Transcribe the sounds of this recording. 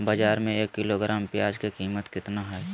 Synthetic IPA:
bad͡ʒaːɾmẽeːkːɪloɡɾaːmpjaːd͡ʒkekiːmət̪kɪt̪naɦɛ

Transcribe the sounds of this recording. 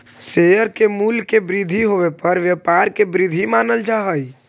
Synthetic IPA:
seːjəɾkemuːlkebɾɪd̪ʱiɦoːʋepəɾʋjəpaːɾkebɾɪd̪ʱimaːnəld͡ʒaːɦəi

